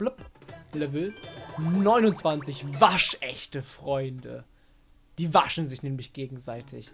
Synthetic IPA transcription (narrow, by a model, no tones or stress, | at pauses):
b̥ləplɛvl̩ | nɔʏnʊntt͡sv̥ant͡sɪçvaʃʔɛ̰çtəfʁ̥ɔʏndə̰ | d̥iːvaʃn̩zɪçnɛːmlɪçɡ̥eːɡŋ̩zaɪtʰɪ̰ç